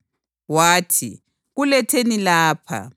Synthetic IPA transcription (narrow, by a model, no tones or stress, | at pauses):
waːtʰḭ | ɣulɛtʰenilaːpʰa̰